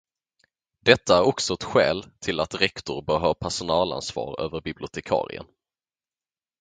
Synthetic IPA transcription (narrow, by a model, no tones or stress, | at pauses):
d̪ɛt̪ʰːaæɾɔksɔɛt̪ɧɛ̰ːlt̪ʰɪlat̪ɾɛkt̪ʊɾbəːɾɦɑːpʰæʂʊnɑːla̰nsvɑ̰ːɾø̰ːvəɾbɪblɪʊt̪ʰɛkʰɑ̰ːɾɪ̰ə̰n